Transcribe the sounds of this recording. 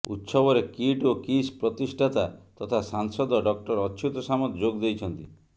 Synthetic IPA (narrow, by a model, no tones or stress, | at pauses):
ṵt̪sɔbɔɾekiʈokispɾɔt̪isʈʰat̪at̪ɔt̪ʰasaŋsɔd̪ɔɖɔk̚ʈɔɾɔt͡ʃʰut̪ɔsamɔt̪d͡ʒoɡd̪ejt͡ʃʰɔnt̪i